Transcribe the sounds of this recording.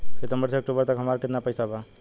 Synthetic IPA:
set̪əmbəɾsʰeːk̚ʈubəɾt̪əkɦəmaɾkɪt̪napəjsaba

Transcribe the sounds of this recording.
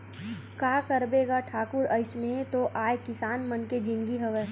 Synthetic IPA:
kaːkɐɾbeːɡaʈʰaːkʊɾəɪsmẽt̪oʔaːjkɪsaːnmɐnked͡ʒɪ̃ŋɡiɦɐʋɛː

